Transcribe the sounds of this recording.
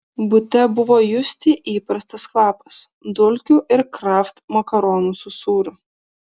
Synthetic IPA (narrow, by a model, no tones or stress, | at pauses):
bʊt̪ʲɛbʊʋoːjʊsʲt̪ʲiʔiːpɾɐst̪ɐsklˠɑːpɐs | d̪ʊlʲkʲuːʔɪɾkɾɑːft̪mɐkɐɾɔːnuːsʊsuːɾʲʊ